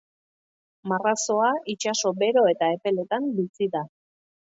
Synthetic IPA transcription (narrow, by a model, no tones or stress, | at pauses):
maraso̞ait͡ʃaso̞be̞ɾo̞e̞t̪ae̞pe̞le̞t̪ambisiða